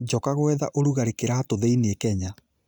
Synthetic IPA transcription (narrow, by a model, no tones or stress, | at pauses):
d͡ʑɔkaɣwɛða̰ʔoɾuɣaɾekeɾaːtoðeineekɛɲa